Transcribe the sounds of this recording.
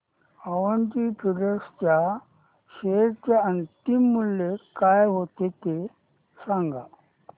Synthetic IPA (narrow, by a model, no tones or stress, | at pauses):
əʋənt̪ipʰiɾəst͡ɕa | ɕeɾt͡ɕaənt̪imːuljekajɦot̪et̪e | sãŋɡa̰